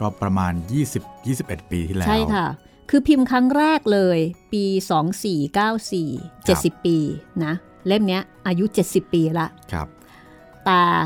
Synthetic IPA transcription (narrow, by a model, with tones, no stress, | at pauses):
kɔː˥˩pɾa˧maː˧njiː˥˩si˨˩p̚jiː˥˩si˨˩p̚ʔe˨˩t̪̚piː˧t̪ʰiː˥˩lt͡ɕːʰa˥˦˥jkʰa˥˩ | kʰɯː˧pʰi˧mkʰɾa˦˥ŋɾɛː˥˩k̚lɤː˧jpiː˧sɔː˩˦ŋsiː˨˩kaː˥˩wsiː˨˩t͡ɕe˨˩t̪̚si˨˩pːiː˧na˦˥ | le˥˩mni˦˥ɐʔaː˧ju˦˥t͡ɕe˨˩t̪̚si˨˩pːiː˧la˦˥ʔkʰa̰˦˧p̚ | t̪ɛː˨˩